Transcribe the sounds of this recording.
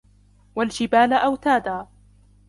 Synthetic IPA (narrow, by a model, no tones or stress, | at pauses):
wald͡ʒɪbaːlʔawt̪aːd̪aː